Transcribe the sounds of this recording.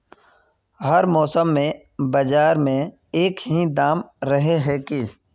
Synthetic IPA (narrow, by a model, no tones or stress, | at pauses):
ɦəɾmɔːsəmːẽ | bɐd͡ʒaːɾmẽ | eːkɦid̪aːmɾəɦeɦɛːkiː